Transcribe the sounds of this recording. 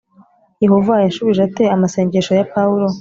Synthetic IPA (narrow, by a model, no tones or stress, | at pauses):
jehovajaʃuβiʒate̞amase̞ːɲɟeʃojapauɾo̞